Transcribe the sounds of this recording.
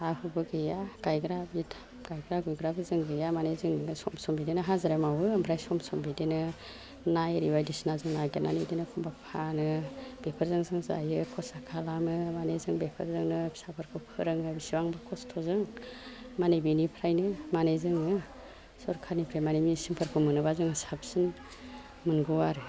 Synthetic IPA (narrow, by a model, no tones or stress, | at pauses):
ahʰubɯɡɯjaɡ̥ajɡɾabitʰ | ɡ̥ajɡɾaɡujɡɾabɯzɯŋɡɯjamanejzɯŋsɔmsɔmbidenɯɦazaɾemawɯmbʰɾajsɔmsɔmbidenɯ | najɾiwajdisnazɯŋnajɡena̰nedinɯkʰɔmbapʰanɯb̥epʰɯɾzɯŋzɯŋza̰jɯkʰɔsakʰalamɯmanezɯŋbepʰɯɾzɯŋnɯbi̥sapʰɯɾkʰɯpʰɯɾɯŋɯbisiwaŋbɯkʰɔstʰɔzɯŋ | manebinipʰɾajnɯmanezɯŋnɯ | sɔɾkʰaɾnipʰɾajmanimisiŋpʰaɾkʰɯmɯnɯbazɯŋsap̚sin | mɯnɡɯwaɾɯ